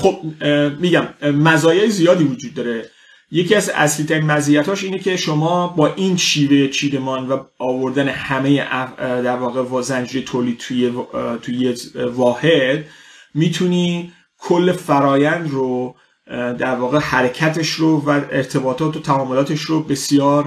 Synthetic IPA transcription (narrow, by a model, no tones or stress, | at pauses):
χob̚ːiːɟæmmæzɒːjeezijɒːd̪iːvod͡ʒuːd̪̚ːɒːɾe̞ | je̞ciæzæ̰sliːt̪ʰæɾiːnmæzijæt̪ʰɒːʃiːnecʰe̞ʃomɒːbɒːʔinʃiːve̞jet͡ʃʰiːd̪e̞mɒːnvæɒːvo̞ɾd̪æne̞hæmejeʔæd̪æɾvɒːɣe̞vɒzænd͡ʒijet̪ʰoːlid̥̪̚t̪ʰujet̪ʰujevɒːhe̞d̪̥̚ | miːt̪ʰuniː | kʰolːe̞fæɾɒːjænd̪ro | d̪æɾvɒːɣe̞hæɾecʰæt̪ʰe̞ʃɾovæeɾt̪ʰe̞bɒːt̪ʰɒːt̪ʰot̪ʰæɒːmolɒːt̪ʰeʃɾobe̞sijɒːɾ